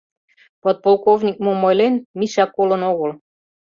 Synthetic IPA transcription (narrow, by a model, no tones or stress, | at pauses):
pot̪̚polˠkovnʲik̚momojlenmiʃɑkːolənoɣəl